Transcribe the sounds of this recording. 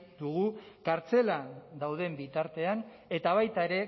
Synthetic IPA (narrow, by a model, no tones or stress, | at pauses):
d̪uɣ̞ukaɾt͡se̞lad̪awð̞e̞mbit̪aɾt̪e̞an | e̞t̪aβ̞ajt̪aeɾe̞